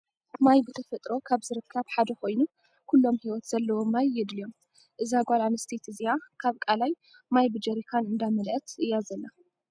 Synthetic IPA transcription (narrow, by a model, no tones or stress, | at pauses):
majbɨt̪ʰɐfɐt̪ʼɾo̞kʰaβzɨɾɨkʰːɐβħad̪ɐko̞jnu | kʰulːo̞mhiwɔt̪z̥ɐlːɐwo̞mːajːɪd̪lijo̞m | ʔɨzaɡʷalanɨst̪ʰet̪ʰɨzijakʰaβkʼalaj | majbɨd͡ʒɐɾikʰanʔɨnd̪amɐlʔɐt̪ʰʔɨjːazɐlːa